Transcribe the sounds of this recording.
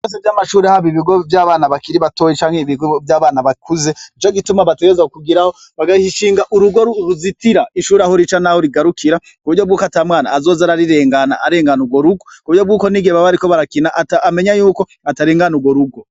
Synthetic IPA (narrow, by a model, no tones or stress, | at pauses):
os̬evjaːmaʃuːɾehaβiβiɡovjaːβaːnaβakiɾiβato̞ːjit͡ʃaːŋheiβiɡovjaːβaːnaβakuze̞it͡ʃoɡitumaβateɡezaukuɡiɾaho | βaɡahiʃiːŋɡaʔuɾuɡoɾuɾuzitiɾaiʃuːɾeahoɾit͡ʃanahoɾiɡaɾukʰiɾa | kuβuɾɟobɡuːkatamŋaːna̰ːzo̞ːzaɾaɾiɾe̞ːŋɡanaaɾe̞ːŋɡanuɡwo̞ɾuɡokuβuɾɟo̞bɡuːko̞niɡeβaβaɾiko̞βaɾakinaʔataːme̞ɲajuːko̞ | ataɾeːŋɡanuɡwo̞ɾuɡo